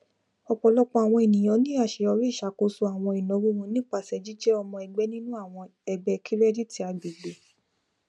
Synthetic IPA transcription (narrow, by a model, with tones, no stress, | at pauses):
ɔ˧k͡pɔ˧˨lɔ˦k͡pɔ˧a˨w̃ɔ̃˧e˨nĩ˨j̃ɔ̃˧˦nĩ˦a˦˨ʃe˨˧ɔ˧ɾi˦˨ʃa˨ko˨˧su˧a˨w̃ɔ̃˧i˨nɔ̃˨˦wu˦wũ˧˦nĩ˦k͡pa˧˨sɛ˨d͡ʒi˦d͡ʒɛ˦ɔ˧mɔ̃˧ɛ˧ɡ͡bɛ˦nĩ˦nũ˦a˦˨w̃ɔ̃˧ɛ˧ɡ͡bɛ˧kʰi˦ɾɛ˦di˦ti˧˦a˨˧bi˨ɡ͡be˨˦